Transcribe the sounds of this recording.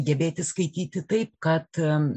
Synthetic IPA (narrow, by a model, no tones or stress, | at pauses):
ɡʲɛbʲeːt̪ʲɪskɐɪt̪ʲiːt̪ʲɪt̪ɐɪp̚kɐt̪